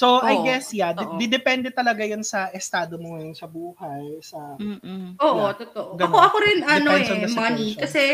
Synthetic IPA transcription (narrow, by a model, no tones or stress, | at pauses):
soʔajɡɛsjad̪d̪ɪd̪ɛpɛnd̪ɛt̪ɐlɐɡajonsɐʔɛst̪aːd̪omoŋɐjonsɐbuːhɐjsɐ | oːʔot̪ot̪oʔɡɐnkoʔɐkoɾɪnʔɐdnoɛɛɐnɐsmɐnikɐsɛ